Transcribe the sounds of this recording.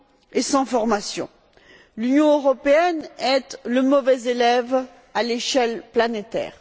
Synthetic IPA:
esɑ̃fɔʁmasjɔ̰̃ | lynjɔ̃øʁɔpeɛnɛt̪ləmɔvɛzelɛv | aleʃɛlplanet̪ɛ̰ːʁ

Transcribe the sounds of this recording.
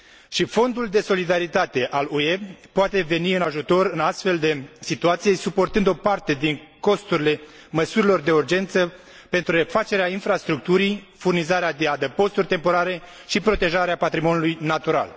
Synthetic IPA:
ʃifo̞nd̪uld̪e̞so̞lid̪aɾit̪at̪e̞ʔaluepoat̪e̞ve̞niɨnaʒut̪o̞ɾɨnast̪fe̞ld̪e̞sit̪uat̪sije̞supo̞rt̪ɨnd̪o̞part̪e̞d̪iŋko̞st̪uɾile̞ | məsuɾilo̞rd̪e̞urd͡ʒe̞nt̪sə | pe̞nt̪ɾure̞fat͡ʃe̞ɾeainfɾast̪ɾuk̚t̪uɾij | furnizaɾead̪iad̪əpo̞st̪urʲt̪empo̞ɾaɾe̞ | ʃipɾo̞t̪e̞ʒaɾeapat̪ɾimo̞nulujnat̪uɾa̰l

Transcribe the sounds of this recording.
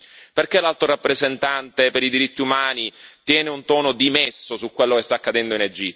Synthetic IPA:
perkelalt̪ɾoɾapːɾezent̪ant̪epeɾid̪iɾit̪ːiumaːnit̪jɛːneunt̪ɔːnod̪imɛsːosukːwelːokest̪aːkːad̪ɛnd̪oined͡ʒit̪ː

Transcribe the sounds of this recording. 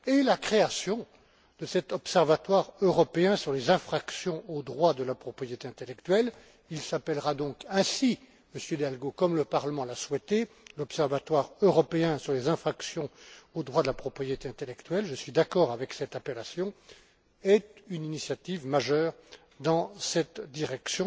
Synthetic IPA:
elakχeasjɔ̃ | d̪̥əsɛt̪ɔpsɛʁvat̪waʁøʁɔpeɛ̃syʁlezɛ̃fχaksjɔ̃od̪ʁwad̪əlapχɔpχijet̪eɛ̃t̪elɛk̚t̪ɥɛl | ilsapɛlʁad̪ɔ̃kɛ̃si | məsjød̪alɡokɔmləpaʁləmɑ̃laswɛt̪e | lɔpsɛʁvat̪waʁøʁɔpeɛ̃syʁlezɛ̃fχaksjɔ̃od̪ʁwad̪əlapχɔpχijet̪eɛ̃t̪elɛkt̪ɥɛlʒəsɥid̪akɔːʁavɛksɛt̪apelasjɔ̃ | ɛt̪yninisjat̪ivmaʒœːʁ | d̪ɑ̃sɛt̪d̪iʁɛksjɔ̃

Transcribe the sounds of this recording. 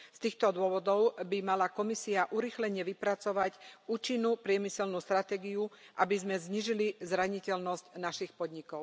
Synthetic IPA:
st̪iːxt̪ɔd̪ʊɔʋɔd̪ɔʊbimalakɔmisiaʔuɾixlɛɲɛʋipɾat͡sɔʋacuːt͡ʃinːuːpɾɪɛmisɛlnuːst̪ɾat̪ɛːɡiuʔabizmɛzɲiːʒilizɾaɲicɛlnɔscnaʃixpɔd̪ɲikɔʊ

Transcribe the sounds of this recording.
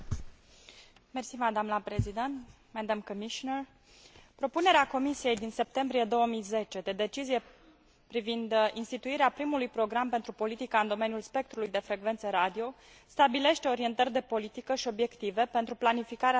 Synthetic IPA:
mersimad̪amlapɾezid̪ent̪ | mɛd̪amkomiʃoner | pɾo̞pune̞ɾeako̞misije̞jd̪inse̞p̚t̪e̞mbɾije̞d̪o̞wəmijze̞t͡ʃe̞d̪ed̪e̞t͡ʃizije̞ | pɾivind̪inst̪it̪uiɾeapɾimulujpɾo̞ɡɾampe̞nt̪ɾupo̞lit̪ikaɨnd̪o̞menjulspe̞k̚t̪ɾulujd̪e̞fɾe̞ɡve̞nt̪səɾad̪io̞ | st̪abile̞ʃt̪eo̞ɾie̞nt̪ərʲd̪e̞po̞lit̪ikəʃio̞bje̞kt̪ive̞pe̞nt̪ɾuplanifikaɾe

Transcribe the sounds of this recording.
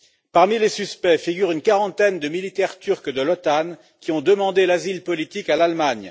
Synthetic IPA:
paʁmilesyspɛfiɡʲyʁynkaʁɑ̃t̪ɛnd̪əmilit̪ɛʁt̪yʁkd̪əlɔt̪an | kʲiɔ̃d̪əmɑ̃d̪elazilpɔlit̪ikalalmaɲ

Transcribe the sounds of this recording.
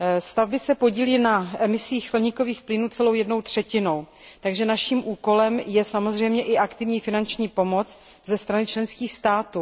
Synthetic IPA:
st̪avbɪsɛpo̞ɟiːliːnaʔɛmɪsiːxsklɛɲɪko̞viːxplɪnuːt͡sɛlo̞wjɛdnowt̪r̝̥ɛcɪno̞w | t̪aɡʒɛnaʃiːmʔuːko̞lɛmjɛsamo̞zr̝ɛjmɲɛʔɪʔakt̪ɪvɲiːfɪnant͡ʃɲiːpo̞mo̞t͡s | zɛst̪ɾanɪt͡ʃlɛnskiːxst̪aːt̪uː

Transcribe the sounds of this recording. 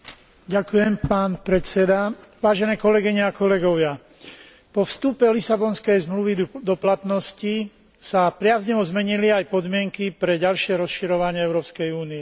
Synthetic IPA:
ɟakujɛmpaːnpɾɛt͡sɛd̪aʋaːʒɛnɛːkɔlɛɡiɲɛakɔlɛɡɔʋɪa | pɔfst̪upɛlisabɔnskɛjzmluʋid̪ɔplat̪nɔsci | sapɾɪazɲɔʋɔzmɛɲiliajpɔd̪mɪɛŋkipɾɛɟalʃɪɛɾɔsʃiɾɔʋaɲɪɛɛʊɾɔːpskɛjuːniɛ

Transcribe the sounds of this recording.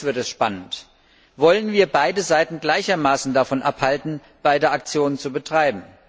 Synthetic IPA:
v̥ɪɐtɛsʃpanənt | vɔlənviːɐbaɪdəzaɪtn̩ɡlaɪçɐmaːsn̩dafɔnʔaphaltn̩ | b̥aɪdəak̚t͡sjoːnənt͡subətʁ̥aɪbm̩

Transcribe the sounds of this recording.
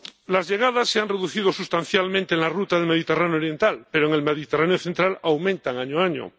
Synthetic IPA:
lazʎe̞ɣ̞að̞asːeanreðuθiðo̞sust̪anθjalmẽnt̪eŋlarut̪aðelmeðit̪eraneoɾje̞nt̪alpeɾoeŋe̞lmeðit̪eraneoθent̪ɾalawmẽnt̪aŋaɲoaɲo̰

